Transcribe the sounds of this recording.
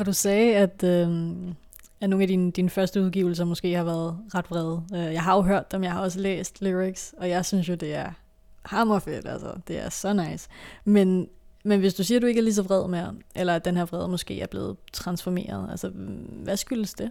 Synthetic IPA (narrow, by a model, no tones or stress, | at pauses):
ɒ̽d̥usɛːæd̥ø | æno̝ːnæd̥ind̥infɶɐsd̥əuð̞ˠɡ̥iʊl̩s̬ɐmɔ̽sɡ̥e̝̰ːhɑ̈ʋæɐð̞̩ˠʁɑ̈d̥ʋʁɛð̞ˠøjɑ̈ɪɦɑ̈joʊɦøɐd̥ːemjɑ̈ɪhɑ̈ɒ̽s̬əlḛːsd̥liʁiɡ̥sɒ̽jɑ̈ɪsynsjo̝d̥e̝æɐ | hɑ̈mɒfed̥ælsɐ̰d̥e̝æɐsɒ̽nɑ̈ɪsmenmenʋe̝sd̥usiːɐɾ̥ue̝ɡ̥æɐlis̬ɒʋʁɛð̞̰ˠmeɐʔelɐæd̥enheɐʋʁɛð̞ˠmɔ̽sɡ̥e̝̰ːæɐb̥le̝ːð̞̩ˠt͡sʰʁɑ̈nsfɒme̝̰ːɐð̞̩ˠælsɐʋæsɡ̥yləsd̥e̝